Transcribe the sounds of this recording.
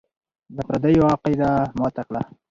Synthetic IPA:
d̪apɾad̪ajwɑːqejd̪amot̪akla

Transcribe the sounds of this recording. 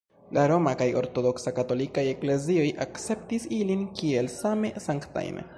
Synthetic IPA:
laɾo̞makajo̞̰ɾto̞do̞ksakato̞likaje̞kle̞ziojʔakt͡se̞p̚tisilinkie̞lsame̞saŋkta̰jnḛ

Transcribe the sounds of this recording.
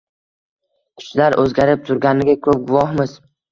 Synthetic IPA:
kʰʊ̥t͡ʃlaɾʔɵzɡʲaɾɪp̚t̪ʰʊɾɡʲanɪɡʲakʰɵp̚ɡʊvɒhmɪz̥

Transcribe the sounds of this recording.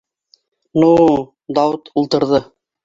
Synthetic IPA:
nu | d̪ɑwʊt̪ulˠt̪ɤ̆ɾðɤ

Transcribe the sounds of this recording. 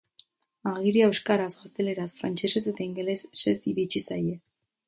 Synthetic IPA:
aɣiɾiaewskaɾazɣast̪e̞le̞ɾasfɾant͡ʃe̞se̞se̞t̪aiŋɡelessesiɾit͡ʃisaje

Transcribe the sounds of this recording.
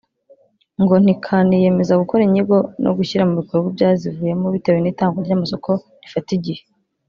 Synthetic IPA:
ŋɡo̞n̥ikʰanije̞me̞zaɡukoɾiɲiɡo̞nʔo̰ɡuçiɾamuβikoɾɡwibɟaːzivuːje̞moβitewe̞niːtaːŋɡoɾɟamaso̞kʰo̞ | ɾifatiɟihe

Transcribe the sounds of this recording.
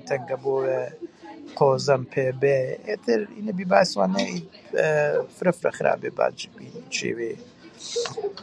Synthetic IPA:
t̪ʰɐŋɡɐboːwe | qʰoːzɐmpʰeːbeet̪ʰɨɾḭːnɐbibaːswaːnɐi | fɾɐfɾɐ̰xɾa̰ːbeːba̰ːd͡ʒibiːnt͡ʃḛːweː

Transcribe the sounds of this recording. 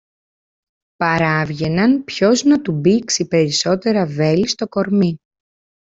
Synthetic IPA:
pɐɾɐvʝe̞nɐnpço̞znɐt̪ubiksipe̞ɾiso̞t̪e̞ɾɐve̞list̪o̞ko̞ɾmi

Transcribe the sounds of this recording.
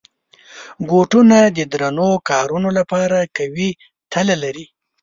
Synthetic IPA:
ɡoʈunad̪əd̪ɾanokɑɾunolapɑɾakawi | t̪ʰalalaɾi

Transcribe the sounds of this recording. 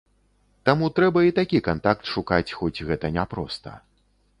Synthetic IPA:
t̪amut̪ɾɛbɐit̪akʲikant̪ak̚t̪ʂukat͡sʲxɔt͡sʲɣɛt̪ɐnʲɛpɾɔst̪ɐ̰

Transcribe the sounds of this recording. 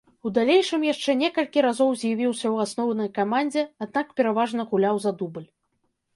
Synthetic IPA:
ud̪alʲejʂɨmjaʂt͡ʂɛnʲɛkɐlʲkʲiɾazɔwzʲjavʲiwsʲɐwasnɔwnɐjkamanʲd͡zʲɛad̪nakpʲɛɾavaʐn̪ɐɣulʲawzad̪ubɨlʲ

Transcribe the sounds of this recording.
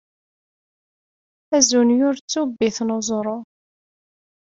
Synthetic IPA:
æzunjʊɾt͡sːubːiθnozˤɾˤo

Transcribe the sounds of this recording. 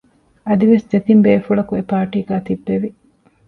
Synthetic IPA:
ɐd̪iʋesd͡ʒ̪et̪imbeːfuɭɐkuepaːʈiːɡæːt̪ibːeʋi

